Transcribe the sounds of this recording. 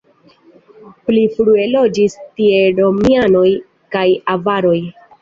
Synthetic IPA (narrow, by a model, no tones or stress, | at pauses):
plifɾue̞lo̞d͡ʒistie̞ɾo̞miano̞j | kajavaɾo̞j